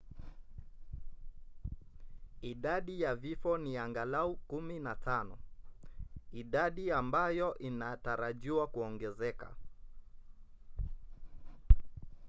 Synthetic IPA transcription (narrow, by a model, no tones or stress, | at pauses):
iɗaɗijavifɔniaŋɡalaukuminatʰanɔ | iɗaɗiambajɔʔinataɾaʄiwakuɔŋɡɛzɛka̰